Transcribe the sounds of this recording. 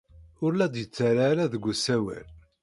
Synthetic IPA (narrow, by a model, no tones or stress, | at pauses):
ʊɾlæd̪jət͡sːaɾaɾæðəɡʷːəsæwæ̰l